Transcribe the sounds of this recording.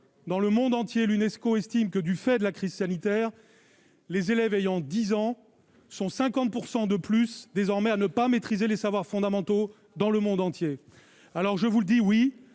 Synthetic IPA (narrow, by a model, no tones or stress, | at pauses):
d̪ɑ̃ləmɔ̃d̪ɑ̃t̪jelynɛskoɛst̪imkəd̪yfɛd̪əlakχiz̥sanit̪ɛːʁ | lezelɛvejɑ̃d̪izɑ̃ | sɔ̃sɛ̃kɑ̃t̪̚puʁsɑ̃d̪əplysd̪ezɔʁmɛanəpamet̪χizelesavwaʁfɔ̃d̪amɑ̃t̪o | d̪ɑ̃ləmɔ̃d̪ɑ̃t̪je | alɔʁʒəvuld̪iwi